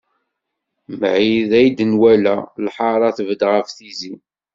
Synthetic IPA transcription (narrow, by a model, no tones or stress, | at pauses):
mʕiðæjd̪ənwælælħɑɾˤɑθəvəd̪ʁəfθizi